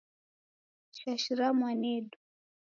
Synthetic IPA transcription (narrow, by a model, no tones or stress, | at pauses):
ʃaʃiɾamwanɛɗu